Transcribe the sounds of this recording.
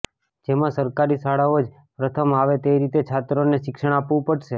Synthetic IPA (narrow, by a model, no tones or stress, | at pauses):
d͡ʒemãsəɾkaɾisaɽaod͡ʒ | pɾət̪ʰəmaʋet̪eɾit̪et͡ʃʰat̪ɾoneʃɪkʃəɳ̃apʋũpəɽʃe